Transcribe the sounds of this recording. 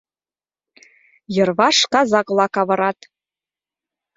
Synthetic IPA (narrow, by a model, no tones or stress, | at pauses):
jɤ̆rβɑʃkɑzɑklˠɑkɑβɤ̆ɾɑt̪